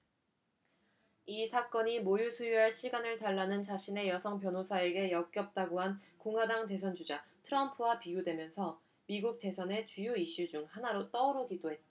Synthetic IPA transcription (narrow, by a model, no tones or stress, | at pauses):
isʰak͈ʌɲimojusʰujuɦaɭɕʰiɡanɯɭtaɭːanɯnt͡ɕaɕʰine̞jʌsʰʌŋpjʌnosʰae̞ɡe̞jʌk̚k͈jʌp̚t͈aɡoɦankoŋadaŋte̞s̬ʰʌnd͡ʑud͡ʑatʰɯɾʌmpʰɯwapiɡjodwe̞mjʌnsʰʌ | miɡuk̚t͈e̞sʰʌne̞t͡ɕujoiɕ͈ud͡ʑuŋhanaɾot͈ʌuɾokidoɦe̞t͈̚a